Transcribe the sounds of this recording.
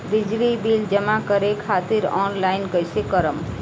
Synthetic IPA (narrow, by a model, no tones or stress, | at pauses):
d̪id͡ʒlibild͡ʒʌmakʌɾekʰat̪iɾɔnlajnkʌjsekʌɾəm